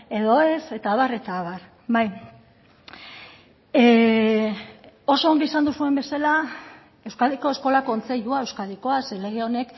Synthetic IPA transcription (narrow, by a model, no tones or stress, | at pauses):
e̞ðo̞e̞se̞t̪aːβare̞t̪aβar | βaj | o̞so̞ːŋɡiisand̪usue̞mbe̞sala | e̞wskaðiko̞e̞sko̞lako̞nt͡se̞ʎuaewskaðiko̞asele̞ɣ̞eo̞ne̞k